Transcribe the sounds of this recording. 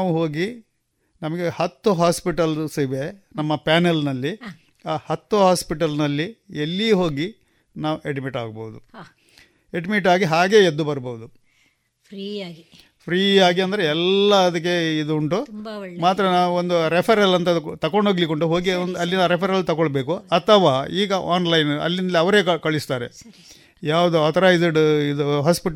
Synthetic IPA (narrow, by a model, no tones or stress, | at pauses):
naːʋuɦoːɡi | nɐmɐɡe̞hɐt̪ːuɦaːspiʈɐlsiʋenɐmːɐpaːnelnɐlːi | aːhɐt̪ːuɦaːspiʈɐlnɐlːielːiɦo̞ːɡi | naːʋuʔeɖimiʈa̰ːɡ̚bɐud̪u | e̞ɖimiʈaːɡiɦaːɡe̞ed̪ːubɐɾboʋud̪u | pɾiaɡi | pʰɾiːaːɡiɐnd̪ɐɾeɛlːɐɐd̪ɐk̬ːe̞id̪uuɳʈumaːt̪ɾɐnaːʋuond̪uɾepʰɐɾɐlɐnt̪ɐt̪ɐkoɳɖoːɡlikoɳʈuɦoːɡiond̪ɐlːinaːɾepʰɐɾɐlt̪ɐɡoɭbe̞ːkuɐt̪ʰːɐʋaːiːɡɐʔaːnlɐjnɐ̰lːinɐlːiɐʋɐɾe̞ːkɐkɐɭist̪aːɾe̞ | jaːʋɐd̪uɐt̪ʰɐɾaːjizɐɖid̪uɦaːspiʈ